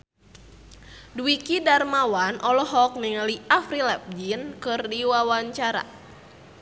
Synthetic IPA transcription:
duwikidarmawanʔɔlɔɦɔk̚niŋaliʔafɾilɛp̚d͡ʒinkɨrdiwawaɲt͡ʃaɾa̰

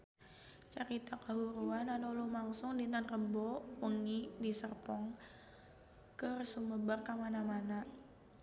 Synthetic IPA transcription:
t͡ʃaɾit̪akaɦuɾuananɔlumaŋsʊŋdinanrəbɔuŋidisərpɔŋ | kərsuməbarkamanamana

